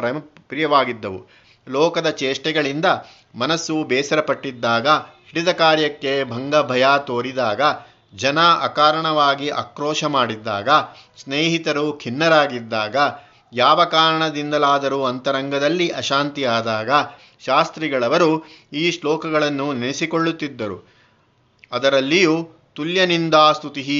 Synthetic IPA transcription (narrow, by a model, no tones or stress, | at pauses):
ɐpɾijɐʋaːɡid̪ːɐʋṵ | lɔːkɐd̪ɐt͡ʃeːʂʈɛɡɐɭind̪ɐ | mɐnɐsːubɛːsɐɾɐpɐʈːid̪ːaːɡɐhiɽid̪ɐkaːɾjɐkːe̞bʱɐŋɡɐbʱɐjaːt̪oːɾid̪aːɡɐ | d͡ʒɐnaʔɐ̰kaːɾɐɳɐʋaːɡiʔɐ̰kɾɔːʃɐmaːɽid̪ːa̰ːɡɐ | sneːɦit̪ɐɾukʰinːɐɾaːɡid̪ːaːɡɐ | jaːʋɐkaːɾɐɳɐd̪ind̪ɐlaːd̪ɐɾuɐnt̪ɐɾɐŋɡɐd̪ɐlːiʔɐʃaːnt̪ijaːd̪aːɡɐ | ʃaːst̪ɾiɡɐɭɐʋɐɾuiːslɔːkɐɡɐɭɐnːunɐnisikoɭːut̪ːid̪ːɐɾṵ | ɐd̪ɐɾɐlːijuː | t̪uljɐnind̪aːst̪ʰut̪iɦi